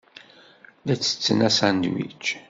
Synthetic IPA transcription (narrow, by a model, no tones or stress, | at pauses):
ðæt͡sːə̥t͡sːənæsænd̪wḭt͡ʃː